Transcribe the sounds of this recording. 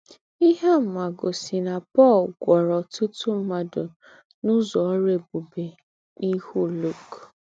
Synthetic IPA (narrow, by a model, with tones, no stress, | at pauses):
i˦ɦe˦m̩˦ma˨ɡo˨si˨na˨pɔ˦˨lɡʷɔ˨ɾɔ˨tʊ˦tu˦m̩˦ma˦do˨ | nʊ˦zɔ˨˦ɾe˦˨bu˨be˨ | ni˦hu˦lu˦˨k